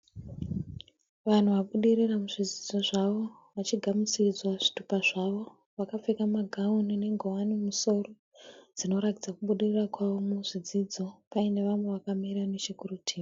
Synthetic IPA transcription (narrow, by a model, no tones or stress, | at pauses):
ʋan̤uʋaɓuɗiriramuʐid͡zid͡zo̞ʐaʋo̞ | ʋat͡ʃiɡʱamut͡sid͡zwaʐi̥tupaʐaʋo̞ | ʋakap͡fekamaɡʱaunine̞ŋɡʱowanimuso̞ro | d͡zino̞ɾakid͡zakuɓuɗirirakwaʋo̞muʐid͡zid͡zo̞paine̞ʋamweʋakamiɾaneʃekurutʰiːma